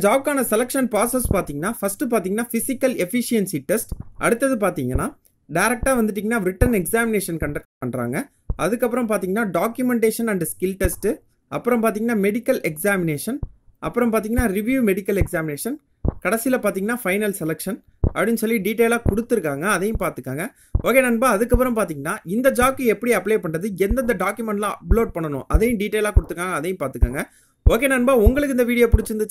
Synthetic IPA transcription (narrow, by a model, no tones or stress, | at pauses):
d͡ʒaːb̚kaːnɐsɛlɛkʂɐnpaːsɐspaːɾt̪iːŋɡɐnːaːfɐsʈːɯp̬aːɾt̪̬iːŋɡɐnːaːfɪsɪkːɐlɛfɪʂɪjɐnsiʈɛsʈʔɐ̰ɽɯt̪ːɐðɯpaːɾt̪iːŋɡɐnːaː | ɖɐɪɾɛk̚ʈaːʋɐnd̪ɯʈːiːŋɡɐnːaːɾɪʈɐnɛksaːmɪneːʂɐnkɐɳɖɐk̚ʈpɐɳɖɾa̰ːŋɡɐ | ʔɐðɯkːɐp̬ːɯɾɐ̃mpaːɾt̪iːŋɡɐnːaːɖaːkjʊmɛɳʈeːʂɐnɐɳɖskɪlʈɛsʈɯ | ɐpːɯɾɐ̃mpaːɾt̪iːŋɡɐnːaːmɛɽɪkːɐlɛksaːmɪneːʂɐnʔɐ̰pːɯɾɐmpaːɾt̪̬iːŋɡɐnːaːɾɪʋjuːmɛɽɪkːɐlɛksaːmɪneːʂɐn | kɐɽɐsɪjlɐpaːɾt̪iːŋɡɐnːaːfɐɪnɐlsɛlɛkʂɐn | ʔɐpːɐɽɪnːsɔlːiɖiːʈ̬ːeːlaːkɔɽɯt̪ːɯɾɯkːaːŋɡɐːðɐjʊ̃paːɾt̪ɯkːaːŋɡɐ | oːkeːnɐnbaːɐðɯkːɐpːɯɾɐmpaːɾt̪iːŋɡɐnːaːɪnd̪ɐd͡ʒaːkːɯɛpːɐɽiɐpːleːpɐɳɾɐðɯɛnd̪ɐnd̪ɐɖaːkjʊmɛɳʈlãːɐploːɖ̚pɐɳːɐnʊ̰̃ʔɐðɐjʊ̃ɖiːʈːeːlaːkɔɽɯt̪ːɾɯkːaːŋɡɐːðɐjʊ̃mpaːɾt̪ɯkːa̰ːŋɡɐ | oːk̬eːnɐnbaːʊŋɡɐɭɯk̬ːɪnd̪ɐʋiːɽɪjoːpʊɽɪt͡ʃːɯɾnd̪ɐ